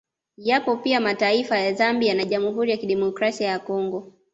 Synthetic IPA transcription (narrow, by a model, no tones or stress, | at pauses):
japɔpiamataifajazambianaʄamuɦuɾijakiɗɛmɔkɾasiajakɔŋɡɔ